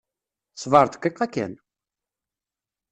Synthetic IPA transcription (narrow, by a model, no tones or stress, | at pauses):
svɑɾˤt̪kːiqːɑkːæ̰n